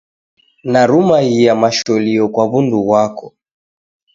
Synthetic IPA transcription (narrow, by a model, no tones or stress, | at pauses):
naɾumahijamaʃɔliɔkwaβunduɣwakɔ